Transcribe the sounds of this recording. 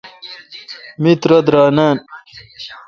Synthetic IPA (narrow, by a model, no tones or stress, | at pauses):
mit̪ɾɐd̪ɾaːnaːn